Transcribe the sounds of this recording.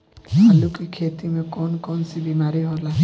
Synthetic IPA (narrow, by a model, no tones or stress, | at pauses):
alukikʰet̪imekɔnkɔnsibimaɾiɦola